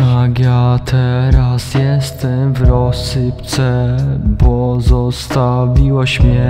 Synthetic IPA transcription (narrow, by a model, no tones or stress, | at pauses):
akjaːt̪ʰɛɾasjɛst̪ɛmvɾosɪpt͡sɛpozost̪aviloʃmjɛ